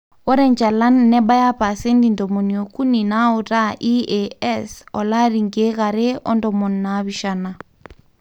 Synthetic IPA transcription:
o˦ɾɛ˦ɲd͡ʒa˨la˦nːɛ˦ba˦ja˦pa˨se˦ndi˨ndɔ˨mo˨ni˨o˨ku˦ni˨na˦u˨ɾa˦ʔi˦eɛ˦sɔ˨la˦ɾi˨ŋɡe˦ɣa˨ɾe˦ʔɔ̰˦ndɔ˨mɔ˨nːa˨˦βi˨ʃa˦na˨

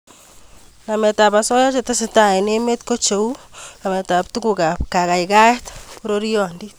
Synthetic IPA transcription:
na˨me˨t̪a˨pa˨so˦ja˦t͡ʃe˨t̪a˦se˧˨t̪a˦˨e˨ne˦me˦t̪̚ko˦t͡ʃo˨wna˨me˨t̪a˨p̚t̪u˦ɡu˧ɡa˨p̚ka˨ɣa˨jɡa˦jt̪pu˦ɾo˦ɾjo˨nd̪i˦

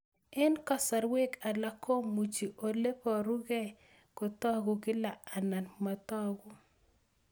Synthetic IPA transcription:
ɪ˦nkɔ˦sa˨ɾwe˦ka˨la˦kʰo˦mu˨t͡ʃi˨ʔo˨le˦pɔ˨ɾu˦ɡɛ˦ | kʊ˨t̪ɔ˦ɡʊ˨ɡɪ˦la˨a˨na˨nma˨t̪ɔ˦ɡʊ˦

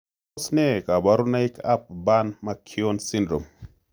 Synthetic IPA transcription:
sne˦ka˨ba˦ɾu˦na˦i˦ka˦p̚ba˦nma˦kʰi˦o˦nsi˦ndɾo˨m

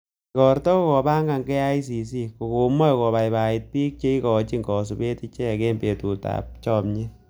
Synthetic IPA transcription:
ikɔ˨ɾtɔ˦kkɔ˨ba˦ŋɡa˨ŋɡɛ˦a˦i˦s̬i˨s̬i˦ko˨ko˨mɔ˦˨kɔ˨ba˨jba˨i˨t̚pi˦k̚t͡ʃe˦i˦kɔ˨t͡ʃi˦ŋɡɔ˨s̬u˨be˦ti˦t͡ʃɛ˦˨ke˦mbe˨tu˨ta̰˨p̚t͡ʃɔ˦mɲi˦

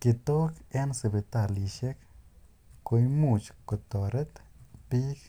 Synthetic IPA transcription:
ki˧t̪o˦ke˦nse˧˨be˧t̪a˧˨li˧ʃe˦k | ko˧jmu˧˨t͡ʃko˨t̪o˨ɾe˦t̪pi˦k

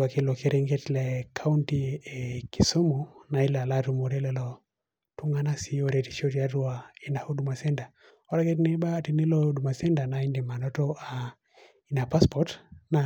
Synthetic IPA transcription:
wa˨ke˦lɔ˨ke˦ɾe˦ŋɡe˦tlɛ˨kʰa˦u˦ntiki˨so˦mu˨na˨i˦la˨latu˨mo˨ɾɛ˦lɛ˦lɔ˨ | tu˦ŋa˦na˦si˨˦o˦ɾe˨ti̥˨ʃo˦tija˦ɾu˦a˨i˦na˨ho˦du˨ma˨sɛ˦nda˨ | ɔ˦ɾa˦ke˦tnɛ˦ɓa˦ti˨ni˦lɔ˦du˨ma˨sɛ˦nda˨na˨i˦ndi˨ma˨ndɔ˦tɔ˦ʔa˨ | i˦na˨pa˦spɔtna˨

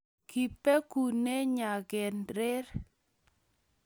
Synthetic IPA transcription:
ki˨pe˦ku˨ne˦ɲa˨ɡɛ˨nɾɪ˦ɾ

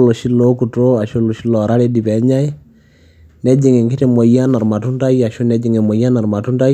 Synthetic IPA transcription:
lo˨ʃi˦lo˦ku˨to˦a˨ʃo˦lo˨ʃi˦lɔ˨ɾa˦le˦di˨pɛ˨˦ɲa˦i˦ | nɛ˦d͡ʒi˨ŋe˨ŋɡɪ˦te˨mɔ˨ja˦na˨ɾma˨tu˦nta˦ja˨ʃo˦nɛ˦d͡ʒi˨ŋe˨mɔ˨ja˦na˨ɾma˨tu˦nta˦j

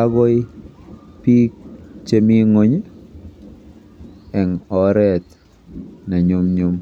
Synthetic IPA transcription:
a˦ɡɔ˦i˦ | pi˦k̚t͡ʃe˦mi˦ŋo˨ɲ | ɛ˨ŋɔ˨ɾɛ˦˨t̪ | na˨ɲʊ˦mɲʊ˦m

